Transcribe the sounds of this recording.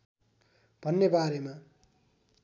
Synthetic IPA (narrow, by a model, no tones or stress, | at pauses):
b̥ʱʌnːebaɾema